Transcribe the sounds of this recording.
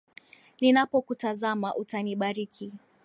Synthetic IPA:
ninapɔkutazamaʔutaniɓaɾikʰi

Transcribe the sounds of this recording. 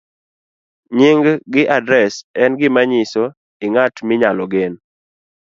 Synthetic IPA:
ɲɪŋɡɡɪʔadɾɛsɛnɡɪmaɲɪso | ɪŋatmɪɲalɔɡen

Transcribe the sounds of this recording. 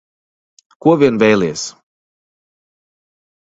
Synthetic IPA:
kuɔvʲiɛnvʲɛjlˠʲiɛs

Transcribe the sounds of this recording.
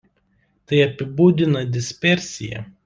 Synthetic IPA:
t̪ɐɪɐpʲɪbuːd̪ʲɪnɐd̪ʲɪsʲpʲɛɾʲsʲɪ̰jɛ̰

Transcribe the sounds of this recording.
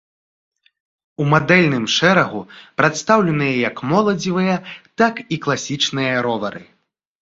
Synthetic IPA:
umad̪ɛlʲnɨmʂɛɾɐɣupɾat̪st̪awlʲɛnɨjɐjɐkmɔlˠɐd͡zʲivɨjɐt̪akiklˠasʲit͡ʂnɨjɐɾɔvɐɾɨ̰

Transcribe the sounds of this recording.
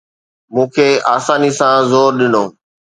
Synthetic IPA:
mũːkʰeːaːsaːnisãzoːɾɗɪnoː

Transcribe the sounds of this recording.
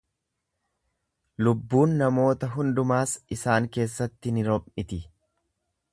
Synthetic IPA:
lʊbːuːnːɐmo̞ːt̪ɐɦʊnd̪ʊmaːsɪsaːŋke̞ːsːɐt̪ːɪnɪɾɔpʼːɪt̪ɪ

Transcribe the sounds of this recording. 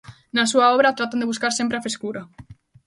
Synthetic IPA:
nas̬uaɔβɾat̪ɾat̪and̪eβuskaɾsempɾeafɾeskuɾa

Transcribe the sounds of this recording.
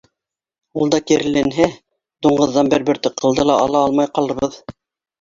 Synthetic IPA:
ulˠd̪ɑkiɾɘ̆lːænɦæ | d̪̥uɴɢɤ̆ðːɑnbɘɾbɘ̆ɾt̪ɘqʰːɤ̆lˠd̪ɤlˠɑʔɑlˠɑɑlˠmɑjqɑlˠɤ̆ɾβɤð

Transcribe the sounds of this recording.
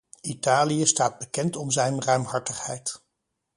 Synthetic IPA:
itaːlijəstaːd̚bəkɛntɔmzɛjnrœɥmɦɑɹtəχhɛjt

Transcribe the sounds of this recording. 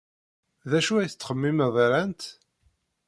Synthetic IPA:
ðæʃuæjθt͡sːχəmːiməðˤɾænt̪

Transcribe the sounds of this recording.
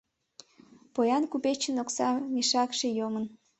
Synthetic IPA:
pojɑnkupet͡ɕənoksɑmeʃɑkʃejomən

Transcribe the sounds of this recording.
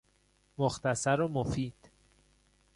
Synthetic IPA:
moxt̪ʰæsæɾomofiːd̪̥

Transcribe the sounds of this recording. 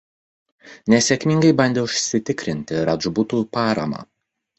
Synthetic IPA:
nʲɛsʲɛkʲmʲɪŋɡɐɪbɐnʲd̪ʲɛʊʃʲsʲɪt̪ʲɪkɾʲɪnʲt̪ʲɪɾɐʒbʊt̪uːpɑːɾɐ̰mɑ̰ː

